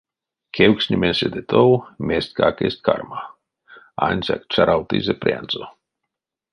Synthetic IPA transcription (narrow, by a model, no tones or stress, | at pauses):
kʰewksʲnʲimensʲed̪et̪ʰowmʲesʲt̪kakesʲt̪̚ʲkʰa̰rma | anʲzʲa̰k̚t͡ʃaɾʔawt̪ḭzʲepɾʲa̰nzo